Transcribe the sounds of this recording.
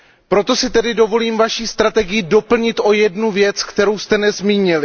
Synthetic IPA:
pɾo̞t̪o̞sɪt̪ɛdɪdo̞vo̞liːmvaʃiːst̪ɾat̪ɛɡɪjɪdo̞pl̩ɲɪt̪ʔo̞jɛdnuvjɛt͡skt̪ɛɾowst̪ɛnɛzmiːɲɪlɪ

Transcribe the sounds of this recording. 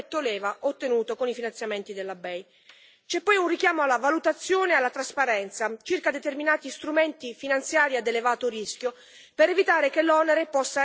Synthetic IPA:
t̪ːolɛːvaʔot̪ːenuːt̪okonifinant̪sjament̪id̪elːabɛj | t͡ʃɛpːɔjunrikjaːmoalːavalut̪at̪sːjoːnealːat̪ɾaspaɾɛnt̪sat͡ʃirkad̪et̪erminaːt̪ist̪ɾument̪ifinant̪sjaːɾiad̪elevaːt̪oɾisk̟jo | peɾevit̪aːɾekelːɔneɾepɔsːa

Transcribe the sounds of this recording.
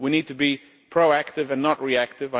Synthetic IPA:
winid̚tʰɨbi | pʰɹ̥oʊæk̚tɨvɨ̃nːəʔ̚ɹiæk̚tɨvə̃

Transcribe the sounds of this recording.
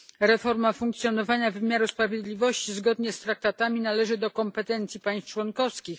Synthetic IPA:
ɾɛfɔɾmafuŋkt̪sʲjɔnɔvaɲavɘmʲjaɾuspɾavʲjed̪lʲivɔɕt͡ɕizɡɔd̪ɲɛst̪ɾak̚t̪at̪amʲinalɛʐɘd̪ɔkɔmpɛt̪ɛnt̪sʲjipaj̃st͡ʂwɔnkɔfskʲix

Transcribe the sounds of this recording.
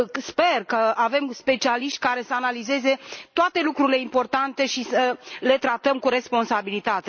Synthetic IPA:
spe̞rkəave̞mspe̞t͡ʃialiʃt̪ʲkaɾe̞səanalize̞ze̞t̪oat̪e̞lukɾuɾile̞impo̞rt̪ant̪e̞ʃisəle̞t̪ɾat̪əmkuɾe̞spo̞nsabilit̪at̪e

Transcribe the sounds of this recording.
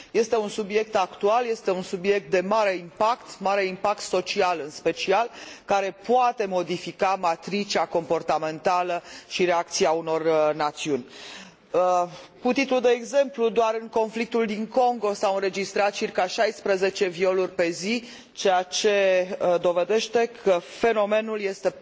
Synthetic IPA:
je̞st̪e̞unsubje̞k̚t̪akt̪ualjest̪e̞unsubje̞k̚t̪̚d̪e̞maɾe̞impakt̪maɾe̞impak̚t̪so̞t͡ʃialɨnspe̞t͡ʃialkaɾe̞poat̪e̞mo̞d̪ifikamat̪ɾit͡ʃako̞mpo̞rt̪ame̞nt̪aləʃiɾe̞ak̚t̪siauno̞rnat̪siunʲ | kut̪it̪lud̪e̞ːɡze̞mplud̪oaɾɨŋko̞nflik̚t̪uld̪iŋko̞ŋɡo̞sawɨnɾe̞d͡ʒist̪ɾat̪̚t͡ʃirkaʃajspɾəze̞t͡ʃe̞vio̞lurʲpe̞zi | t͡ʃe̞jat͡ʃe̞d̪o̞ve̞d̪e̞ʃt̪e̞kʰəfe̞no̞me̞nulje̞st̪e̞

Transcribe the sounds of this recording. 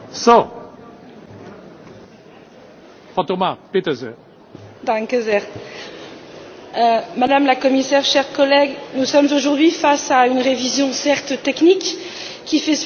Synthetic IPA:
sɔ̃ | fɑ̃t̪omapet̪azɛʁ | d̪ãŋkəzɛʁ | mad̪amlakɔmisɛʁʃɛʁkɔlɛɡnusɔmzoʒuʁd̪ɥifasaynʁevizjɔ̃sɛʁt̪t̪ɛknik | kʲːifɛ

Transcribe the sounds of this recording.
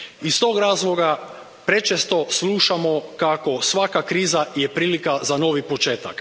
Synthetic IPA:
ist̪o̞ːɡɾaːzlˠo̞ɡa | pɾet͡ʃest̪o̞slˠuʃamo̞kako̞sʋakakɾiːzajepɾiːlikazano̞ʋipo̞t͡ʃe̞ːt̪ak

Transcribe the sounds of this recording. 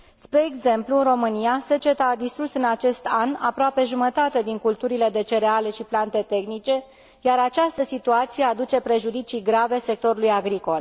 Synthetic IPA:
spɾe̞ːɡze̞mpluɨnro̞mɨnijase̞t͡ʃe̞t̪aad̪ist̪ɾusɨnat͡ʃe̞st̪ana̰pɾoape̞ʒumət̪at̪e̞d̪iŋkult̪uɾile̞d̪e̞t͡ʃe̞ɾeale̞ʃiplant̪e̞t̪e̞xnit͡ʃe̞ | jaɾat͡ʃast̪əsit̪uat̪sije̞ad̪ut͡ʃe̞pɾe̞ʒud̪it͡ʃijɡɾave̞se̞k̚t̪o̞ɾulujaɡɾiko̞l

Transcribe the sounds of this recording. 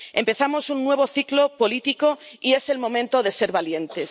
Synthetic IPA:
e̞mpe̞θamo̞sunːwe̞β̞o̞θiklo̞po̞lit̪iko̞ie̞se̞lmõ̞mẽnt̪o̞ðe̞se̞ɾβalje̞nt̪e̞s

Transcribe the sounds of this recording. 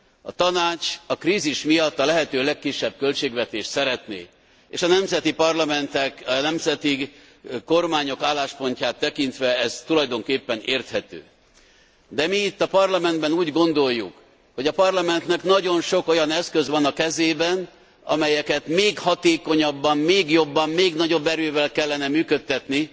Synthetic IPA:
ɒ̰t̪ɒnaːt͡ʃɒkriːziʃmijɒt̪ːɒlɛɦɛt̪øːlɛkːiʃːɛb̚kø̞lt͡ʃeːɡvɛt̪eːʃt̪sɛɾɛt̪nḛː | eːʃɒnɛmzɛt̪ipɒrlɒmɛnt̪ɛknɛmzɛt̪i | ko̞rmaːɲo̞kaːlːaːʃpo̞ɲcaːt̪ːɛkint̪ʋɛɛzt̪ulɒjd̪o̞ŋkeːpːɛneːrt̪hɛt̪ø̰ː | d̪ɛmiit̪ːɒpɒrlɒmɛnd̪bɛnuːɟɡo̞nd̪o̞jːṵk | ho̞ɟɒpɒrlɒmɛnt̪nɛknɒɟo̞nʃo̞ko̞jɒnɛskøzʋɒnɒkɛzeːbɛn | ɒ̰mɛjɛkɛt̪meːɡhɒt̪eːko̞ɲɒbːɒmmeːɡjo̞bːɒmmeːɡnɒɟo̞bːɛɾøːvɛlkɛlːɛnɛmyːkøt̪ːɛt̪ni

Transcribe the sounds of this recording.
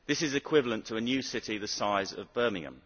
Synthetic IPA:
ðɪsɪzɪkʰw̥ɪvələ̃ntʰəːnjʉːsɪtiðəsaɪzə̰vbɜːmɪ̃ŋə̰̃m

